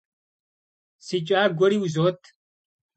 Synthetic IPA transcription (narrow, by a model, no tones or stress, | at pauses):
sit͡ɕʼaːɡoɽiuzoːt̪